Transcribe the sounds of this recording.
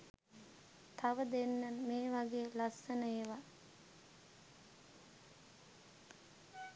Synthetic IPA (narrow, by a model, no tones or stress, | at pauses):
t̪ʰaʋəd̪enːanmeːʋaɡeːlasːənəeʋa